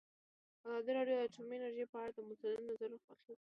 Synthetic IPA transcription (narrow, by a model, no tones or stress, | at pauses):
azɑd̪iɾɑɖjod̪əʈumenaɾʒejpəaɽad̪əmʊt̪ad̪ɪd̪nazaɾaxwaxew